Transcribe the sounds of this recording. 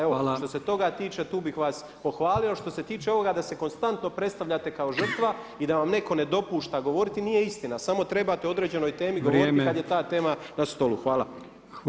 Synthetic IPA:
eoʃt̪o̞se̞t̪o̞ɡat̪iːt͡ʃe̞t̪uːbixʋas | po̞xʋaːliloʃt̪o̞se̞t̪iːt͡ʃe̞o̞ʋo̞ɡad̪ase̞ko̞nst̪ant̪no̞pɾet̪st̪aʋʎat̪e̞kao̞ʒr̩t̪ʋa | id̪aʋamne̞ko̞ne̞d̪o̞puːʃt̪aɡo̞ʋo̞ɾit̪inije̞ist̪inasamo̞t̪ɾe̞bat̪eo̞d̪ɾe̞ːd͡ʑe̞no̞jt̪e̞ːmiɡoʋɾoɾitikad̪jet̪aːt̪e̞ːmanast̪o̞lṵxʋaːla̰

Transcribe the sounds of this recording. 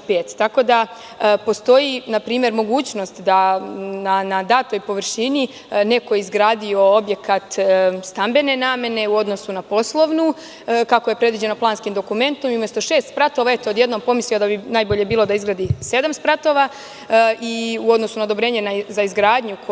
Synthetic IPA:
peːt̪ːako̞d̪a | po̞st̪o̞jinapɾiːmje̞ɾmo̞ɡuːt͡ɕno̞st̪d̪ananad̪aːt̪o̞jpo̞ʋrʃini | ne̞ko̞jizɡɾaːd̪io̞o̞bje̞kat̪st̪ambe̞ne̞naːme̞ne̞uo̞d̪nosunapo̞slˠo̞ʋnu | kako̞je̞pɾed̪ʋid͡ʑe̞noplaːnskimd̪o̞kume̞nt̪o̞miumjest̪o̞ʃe̞ːst̪spɾat̪o̞ʋae̞t̪ood̪je̞d̪no̞mpo̞misliod̪abinaːjbo̞ʎe̞biːlˠo̞d̪aizɡɾad̪ise̞d̪amspɾat̪o̞ʋa | ʔiuo̞d̪no̞sunaod̪o̞bɾe̞ːɲe̞nazaizɡɾaːd̪ɲuk

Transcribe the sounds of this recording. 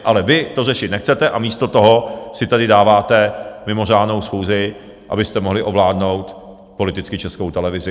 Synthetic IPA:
ʔalɛvɪt̪o̞rɛʃɪt̪nɛxt͡sɛt̪ɛʔamiːst̪o̞t̪oɦosɪt̪adɪdaːvaːt̪ɛmɪmo̞r̝aːdno̞wsxuːzɪ | ʔa̰bɪst̪ɛmoɦlɪʔo̞vlaːdno̞wt̪ | po̞lɪt̪ɪt͡skɪt͡ʃɛskowt̪ɛlɛvɪzɪ

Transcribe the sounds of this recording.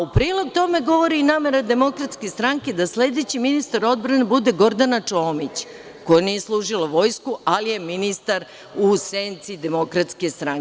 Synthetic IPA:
upɾiːlˠo̞ɡ̚t̪o̞me̞ɡo̞ʋo̞ɾiːnaːme̞ɾad̪e̞mo̞kɾat̪ske̞st̪ɾaŋke̞d̪asle̞d̪e̞t͡ɕiminist̪aɾo̞d̪bɾanebud̪e̞ɡo̞ɾd̪anat͡ʂo̞ːmit͡ɕ | ko̞janije̞slˠuːʒiloʋo̞jskualije̞minist̪aɾ | useːnt̪sid̪e̞mo̞kɾat̪ske̞st̪ɾaŋ

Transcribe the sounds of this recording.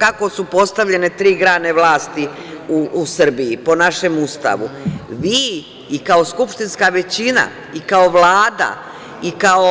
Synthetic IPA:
kakosupo̞st̪aʋʎe̞ne̞t̪ɾiːɡɾaːne̞ʋlˠaːst̪i | uːsr̩biipo̞naʃe̞must̪a̰ʋṵʋiː | kao̞skupʃt̪inskaʋe̞t͡ɕina̰ | ikao̞ʋlaːd̪a̰ | ikao

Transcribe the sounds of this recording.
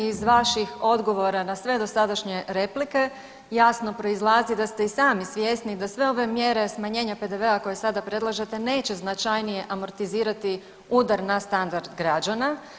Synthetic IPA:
izʋaʃixo̞d̪ɡo̞ʋo̞ɾanasʋe̞d̪o̞sad̪aʃɲe̞ɾe̞plike̞ | jasno̞pɾo̞izlˠaːzid̪ast̪e̞isaːmisʋje̞st̪nid̪asʋe̞o̞ʋe̞mje̞ɾe̞smaɲe̞ːɲape̞d̪e̞ʋe̞ako̞jesad̪apɾe̞d̪lˠaʒet̪e̞ne̞ːt͡ɕe̞znat͡ʃajnije̞ʔamo̞ɾt̪iziːɾat̪i | uːd̪aɾnast̪and̪aɾd̪ɡɾad͡ʒana

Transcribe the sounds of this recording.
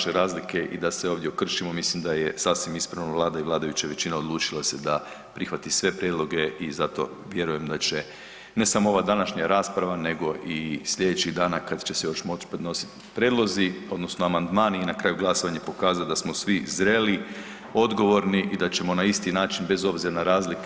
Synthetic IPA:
ʃeɾaːzlike̞ʔid̪aseoʋd̪ʲjeokr̩ʃimo̞mislimd̪ajesasʋimispɾaʋnoʋlˠaːd̪aiʋlˠaːd̪ajut͡ɕaʋe̞t͡ɕinao̞d̪lˠuːt͡ʃilased̪a | pɾixʋat̪isʋe̞pɾjed̪lˠo̞ɡe̞ʔizat̪o̞̰ | ʋje̞ɾuje̞md̪at͡ɕe̞ | ne̞samoo̞ʋad̪anaʃɲaɾaːspɾaʋane̞ɡo̞ʔisʎe̞d̪et͡ɕiɣd̪aːnakad̪t͡ʃe̞sejo̞ʃmo̞t͡ʃpɾed̪no̞si̥t̪ | pɾʲed̪lˠo̞zio̞d̪no̞snoamand̪maːniinakɾaːjuɡlˠaso̞ʋaɲapo̞kaːzalod̪asmo̞sʋizɾe̞ːli | o̞d̪ɡo̞ʋo̞ɾniʔid̪at͡ɕe̞mo̞naist̪inaːt͡ʃinbe̞zo̞bziɾanaɾaːzlik

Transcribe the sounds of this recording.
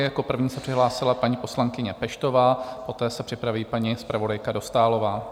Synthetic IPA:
jako̞pr̩vɲiːsɛpr̥ɪɦlaːsɪlapaɲiːpo̞slaŋkɪɲɛpɛʃt̪o̞vaːpo̞t̪ɛːsɛpr̝̥ɪpɾaviːpaɲispɾavo̞dajkado̞st̪aːlo̞vaː

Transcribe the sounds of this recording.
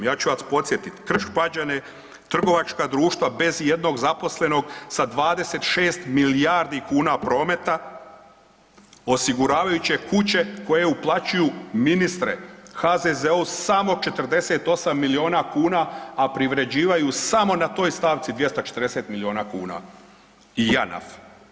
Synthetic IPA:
jaːt͡ʃuat̪po̞t̪sjet̪it̪kr̩ʃpad͡ʑane | t̪r̩ɡo̞ʋat͡ʃkad̪ɾuːʃt̪ʋabe̞zje̞d̪no̞ɡzapo̞sle̞no̞ɡsad̪ʋaːd̪e̞se̞t̪ʃeːst̪miliaɾd̪ikuːnapɾo̞ːme̞t̪a | o̞siɡuɾaːʋajut͡ɕe̞kut͡ɕe̞ko̞je̞uplˠat͡ɕujuminist̪ɾe̞̰xazezeusamo̞t͡ʃe̞t̪rd̪e̞set̪o̞samːilio̞ːnakuːnaːpɾiʋɾe̞d͡ʑiːʋajusamo̞nat̪o̞ːjst̪aːʋt̪sid̪ʋje̞st̪ot͡ʃet̪əɾd̪eset̪milio̞ːnaːkuːna̰ | ijana̰f

